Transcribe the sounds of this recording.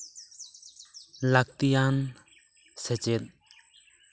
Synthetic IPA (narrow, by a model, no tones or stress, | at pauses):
lak̚t̪ijan | sɛt͡ʃɛt̪̚